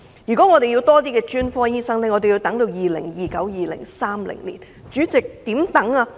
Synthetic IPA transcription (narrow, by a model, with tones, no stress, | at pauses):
jyː˨˩kɔ˨˥ŋɔ˨˧e˨ji˧wt̪ɔː˥t̪iː˥kɛː˧t͡ʃyː˥nfɔː˥jiː˥sɐ˥ŋlɛ˥ŋɔː˨˧t̪e˨ji˧wt̪ɐ˨˥ŋt̪o˧wjiː˨lɪ̰˨˩ŋjiː˨kɐ˨˥wjiː˨lɪ̰˨˩ŋsaː˥mlɪ̰˨˩ŋlḭː˨˩n | t͡ʃyː˨˥t͡sɪ˨k̚t̪iː˨˥mt̪ɐ˨˥ŋaː˧